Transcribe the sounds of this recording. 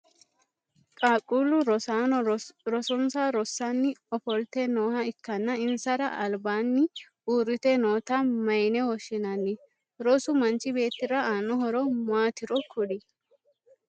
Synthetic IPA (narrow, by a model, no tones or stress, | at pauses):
kʼaːkʼːuːlːʊɾɔaːɾɔsɔnsaɾɔsːanːɪɔfɔlt̪ɛnoːhɐɪkːɐnːɐɪnsɐɾɐ̰ʔɐlbaːnːɪ | uːrːɪt̪ɛnoːt̪ɐmɐjnɛwɔʃːɪnɐnːɪ | ɾɔsʊmɐnt͡ʃʼɪbe̞ːt̪ːɪɾɐaːnːɔɦɔɾɔmaːt̪ɪɾɔkʰʊᶑɪ